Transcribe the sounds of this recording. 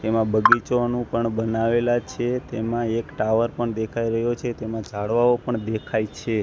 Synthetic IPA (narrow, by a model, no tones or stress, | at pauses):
t̪emãbəɡit͡ʃonũpəɳbənaʋelat͡ʃʰet̪emãekʈaʋəɾpəɳd̪ekʰaiɾəɦjot͡ʃʰet̪emãd͡ʒaɽʋaopəɳd̪ekʰajt͡ʃʰe